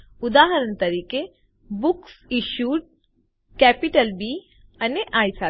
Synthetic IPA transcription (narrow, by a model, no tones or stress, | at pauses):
ʊd̪aːɦəɾəɳt̪ɐɾiːke | bʊksiʃuːɖ̚ | kɛːpiʈəlbi | ɐneʔaːisaː